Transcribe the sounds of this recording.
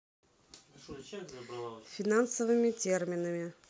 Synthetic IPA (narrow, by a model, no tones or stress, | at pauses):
fʲɪnansəvɨmʲɪtʲermʲɪnəmʲɪ